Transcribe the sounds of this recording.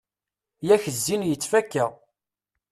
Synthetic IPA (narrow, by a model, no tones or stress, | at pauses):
jæçəzːinjət͡sːfækːæ